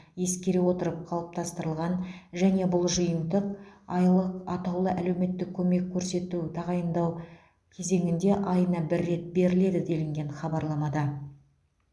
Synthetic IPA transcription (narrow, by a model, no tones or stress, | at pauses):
je̞skʲe̞ɾewo̞t̪əɾəp̚qʰɑlˠəp̚t̪ʰɑst̪əɾəlˠʁɑnʒæne̞bʊlˠʒəjənd̪əqɑlˠəqɑt̪ɑwlˠəʔæle̞wme̞t̪ːɪk̚ʲʰːɵme̞kʲʰːɵɾse̞t̪ut̪ʰɑʁɑjənd̪ɑw | kʲʰe̞ze̞ŋʲɪnd̪e̞ʔɑjənɑbɪɾːe̞t̪̚be̞ɾɪle̞d̪ɪd̪e̞lɪŋɡʲe̞nχɑbɑɾlˠɑmɑd̪ɑ